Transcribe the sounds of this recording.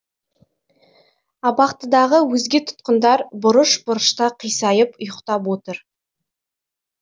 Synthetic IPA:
ɑbɑqt̪əd̪ɑʁəwɵzɡʲe̞t̪ʰʊ̥t̪̚qənd̪ɑɾbʊɾəʃbʊɾəʃt̪ɑqʰijsɑjəpʊjəqt̪ɑpwot̪əɾ

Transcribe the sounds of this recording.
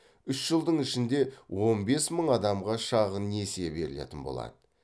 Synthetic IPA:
ʏsʒ̥əlˠd̪əɴɪʃɪnd̪e̞wʔo̞nbe̞sməɴɑd̪ɑmʁɑʃɑʁənːe̞se̞be̞ɾɪle̞̰t̪ɪnbolˠɑ̰d̪̥ə

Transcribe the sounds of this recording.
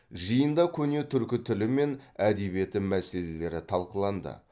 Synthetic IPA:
ʒəjənd̪ɑkʲʰɵne̞t̪ʰʏɾkʲɪt̪ʰʏlɪme̞næd̪e̞bije̞t̪ɪmæse̞le̞le̞ɾɪt̪ʰɑlˠqəlˠɑnd̪ə̰

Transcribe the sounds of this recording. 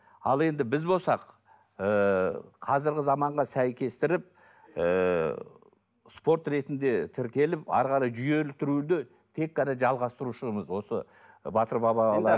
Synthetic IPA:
ɑlˠe̞nd̪ɪbɪzbo̞lˠsɑq | əqʰɑzɪɾɡʲɪzɑmɑɴʁɑsæjkʲe̞st̪ɪɾɪp̚ | ə | spo̞ɾt̪ɾe̞t̪ɪnd̪e̞t̪ʰɪɾkʲe̞lɪpɑ̰ɾʁɑɾɑjʒʏje̞lt̪ʏɾud̪ɪ | t̪ʰe̞k̚qɑneʒɑlˠʁɑst̪əɾuʃəməzwo̞sə | bɑt̪əɾbɑbɑlˠɑ

